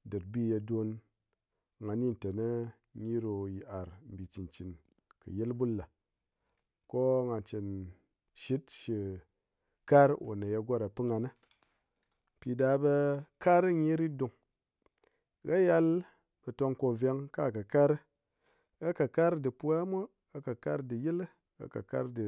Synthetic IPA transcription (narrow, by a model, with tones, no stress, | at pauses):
dɨ˨ɾbi˦˨je˧do˧n | ŋa˨˧ni˦˨n˨te˨nə˦ | ɲi˦ɾo˧ji˨ʔa˨ɾm̩˨bi˨t͡ʃi˨nt͡ʃi˨n | kɨ̰˨je˦lbu˦lːa˨ | ko˦ŋa˨t͡ʃi˨n | ʃi˦tʃi˧ | ka˦ɾo̰˨na˨ja˧ɡʷo˦ɾa˨pɨ˦ŋa˧na˦ | pi˨da˧˦bə˧ka˦ɾɨ˦ɲi˦ɾi˦du˧ŋ | ɣa˦ja˦l | b̥ə˨to˧ŋko˧ve˧ŋka̰˦˨ka˨ka˦ɾ | ɡa˦ka˨ka˦ɾdɨ˨pu˦a˦mʷo˦ | a˨ka˨ka˦ɾdɨ˨ji˦l | a̰˨ka̰˨ka̰˦ɾdɨ˨